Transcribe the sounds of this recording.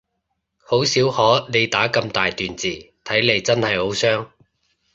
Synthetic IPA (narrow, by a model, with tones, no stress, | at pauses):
ho˨˥wsiː˨˥whɔː˨˥ne˨˧jt̪aː˨˥kɐ˧mt̪aː˨jt̪yː˨nt͡siː˨t̪ʰɐ˨˥jle˨˧jt͡sɐ˥nhɐ˨jho˨˥wsœː˥ŋ